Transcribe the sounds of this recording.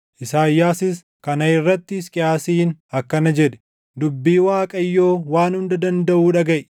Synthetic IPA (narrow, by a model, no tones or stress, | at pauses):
ʔɪsaːjːaːsɪs | kɐnɐɪrːɐt̪ːɪːskʼɪaːsiːnɐkːɐnɐd͡ʒɛᶑɛ̥ | d̪ʊbːiːwaːkʼɐjːo̞ːwaːnhʊnd̪ɐd̪ɐnd̪ɐʔuːᶑɐɡɐʔ